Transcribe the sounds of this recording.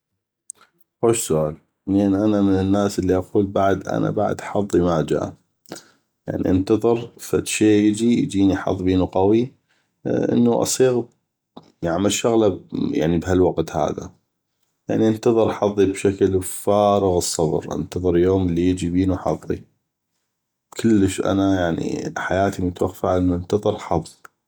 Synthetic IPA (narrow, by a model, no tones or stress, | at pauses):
weːʃsʊʔaːl | leːnʔanamɪnɪnːaːsʔəlːiʔaquːlbaʕd̪ʔa̰na̰baʕd̪ʔħɑðˤːimad͡ʒa̰ːʔ | ja̰ʕnḭʔənt̪ɑðˤɨɾfaʃeːjɪd͡ʒijd͡ʒiːniħɑ̰ðˤbiːnuqɑwi | ʔə̰nːuʔɑ̰sˤiːɣ | jaʕmaʃːaɣlaja̰ʕnibhalwɑqt̪ha̰ːða̰ | ja̰ʕniʔənt̪ɑðˤɨɾˤʔħɑðˤːibʃaklfaːɾɑɣɨsˤːɑb̰ɾʔa̰nt̪ɑðˤɨɾjoːməlːijɪd͡ʒibiːnuħɑ̰ðˤːḭ | kʰʊlːəʃʔa̰najaʕnḭħajaːt̪imʊt̪waxfaʕʔənːuʔənt̪ɑðˤɨɾˤħɑðˤːi